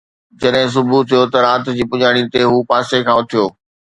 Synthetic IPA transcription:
d͡ʑɐɗɦɪ̃s̬ʊbʱut̪ʰijot̪ɐɾaːt̪d͡ʑiːpʊɲaːɽ̃it̪eɦuːpaːsekʰãːʊt̪ʰijoː

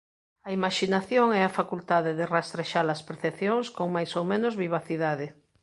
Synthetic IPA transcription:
ɐimaʃinaθjoŋɛafakult̪aðeðerast̪ɾeʃaɾlɐspeɾθepθjoŋskoŋmajsowmẽnozβiβ̞aθiðaðɪ

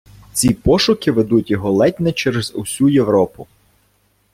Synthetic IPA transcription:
t͡sʲipɔʃʊkɪʋed̪utʲjɔɦɔlˠɛtʲnɛt͡ʃɛɾezʊ̰sʲujeʋɾɔpʊ

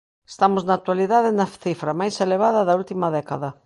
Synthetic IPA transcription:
est̪amʊznaːk̚t̪waliðaðɪnɐθifɾɐmajseleβ̞aðɐðɐult̪imɐðɛkɐðɐ

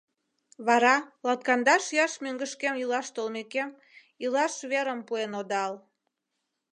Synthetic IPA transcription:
βɑɾɑlɑt̪̚kɑnd̪ɑʃjɑʃmøŋɡəʃkemilɑʃt̪olmekem | ilɑʃβeɾəmpuenod̪ɑl

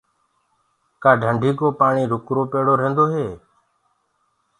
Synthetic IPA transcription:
kaːɖʱəɳɖʱiːkoːpaːɳiːɾʊkɾoːpeːɽoːɾẽːnd̪oːɦeː

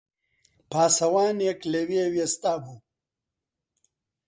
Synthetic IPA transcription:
paːsɐwaːnjekleweːwjest̪aːbu

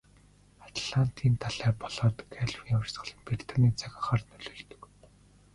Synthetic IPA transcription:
at̪ʰɮan̥t̪ʰiːnt̪ʰaɮæːpɔɮɔːt̪ɡʰæɮwiŋw̆rsʁə̥̆ɮə̆mper̥ʲt̪ʰaniːt͡sʰaxʲăχaːrt̪nɵɮoːɮt̪ɵ̥̆k

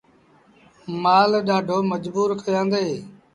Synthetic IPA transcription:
maːlɗaːɖʱoːməd͡ʒbuːɾkʰəjãːnd̪eː

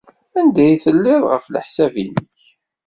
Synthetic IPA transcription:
ænd̪æjθəlːɪðʁə̰flə̰ħsævinəç

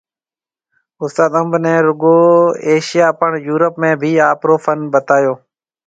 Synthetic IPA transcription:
ʊst̪aːt̪əmbʱnɛ̃ːɾʊɡoːeːʃɪjaːpəɳjuːɾəpmẽːbʱiːaːpɾoːfʰənbət̪aːjoː

